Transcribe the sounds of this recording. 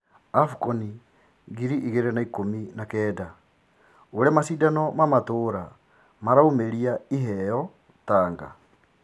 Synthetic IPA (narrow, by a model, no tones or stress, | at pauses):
afukɔni | ɣiɾiʔiɣeɾɛnaikominakɛːda | oɾɛmasiːdanɔmamatoːɾa | maɾaomeɾiaiɦɛjɔ | taːŋɡa̰